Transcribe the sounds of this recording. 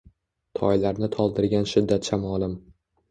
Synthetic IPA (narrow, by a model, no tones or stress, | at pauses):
t̪ʰɒ̰jlaɾnɪt̪ʰɒlˠd̪ɪɾɡʲanʃɪd̪ːat̪ʃamɒlɪm